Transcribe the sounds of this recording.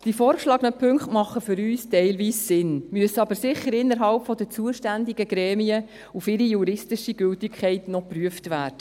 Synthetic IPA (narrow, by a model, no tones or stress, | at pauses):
d̥ifɔːɾkʃlɑɡənəpʰɵŋkχtmɑχːəfʏɾyːstɛɪlʋiːsːɪnmyəsəɑbəɾsɪχːəɾɪnːəɾɦɑlpfɔdət͡suəʃtændiɡəɡ̥ɾɛːmiə | ufɪɾijuɾɪstɪʃiɡ̥ʏltɪkʰχɛɪtnɔpryəftʋæːd̥ə